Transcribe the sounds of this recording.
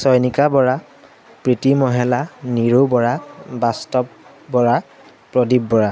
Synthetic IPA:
sɔjnikabɔɹa | pɹitimɔɦɛlaniɹubɔɹabastɔp | bɔɹa | pɹɔdibːɔɹa

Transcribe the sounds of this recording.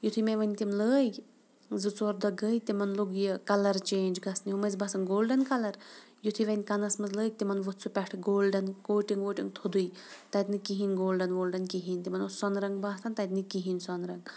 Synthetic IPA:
jut̪ʰimeʋɐnʲt̪imləːjʲ | zɨt͡sɔɾd̪ɐɡəːjt̪imɐnluɡjɐkɐlɐɾt͡ʃeːnʲd͡ʒɡɐsniumɐzbɐsɐnɡoːlɖɐnkɐlɐɾ | jut̪ʰiʋɐnʲkɐnɐsmɐzləːk̚ʲt̪imɐnʋɨt̪t͡sʰupʲɛʈʰɡoːlɖɐnkoːʈiŋɡʋoːʈiŋt̪ʰud̪uj | t̪ɐt̪ʲnɨkiɦinʲɡoːlɖɐnɡoːlɖɐnkiɦinʲt̪imɐnosɔnɾɐŋɡbaːt̪ʰɐnt̪ɐt̪nɨkiɦinʲsɔnɾɐŋɡ

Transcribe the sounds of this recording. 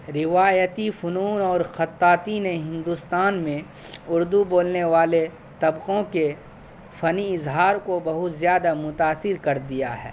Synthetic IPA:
ɾɪʋaːjət̪ifʊnuːnɔːɾxɐt̪ːaːt̪ineɦɪ̃nd̪ust̪aːnmẽ | ʊɾd̪uboːlneʋaːle | t̪ɐbqõke | fɐniɪzɦaːɾkobɐɦʊt̪zjaːd̪amʊt̪aːsɪɾkɐɾd̪ijaɦɛ̰ː

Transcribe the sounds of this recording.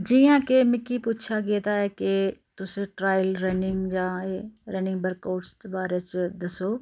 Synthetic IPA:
d͡ʒijãkemɪkipuːt̪t͡ʃʰaɡet̪aɦeket̪ʊsẽʈɾaːjlɾɛnɪŋɡd͡ʒaːɦeɾɛ̃ːnɪ̃ŋɡbəɾkaːɖst̪obaːɾet͡ʃd̪ɐsoː

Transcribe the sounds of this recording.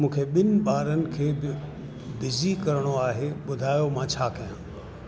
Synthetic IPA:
mũːkʰeɓɪnɪ̆ɓaːɾənɪ̆kʰeːbɪ | bɪzikɐɾəɽ̃oaːɦeɓʊd̪ʱaːjomãːt͡ɕʰaːkɐjãː

